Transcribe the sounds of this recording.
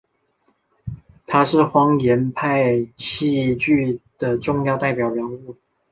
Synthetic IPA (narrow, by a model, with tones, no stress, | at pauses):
t̪ʰa˥ʂɻ̩˥˩xwɑ˥ŋjɛ˧˥npʰa˥˩˧ɪɕi˥˧t͡ɕy˥˩d̪̥ə˩ʈ͡ʂʊ˥˧ŋjɑ˥˧ʊt̪a˥˩ɪpjɑ˨˩ʊɻjɑ˧˥ŋu˥˩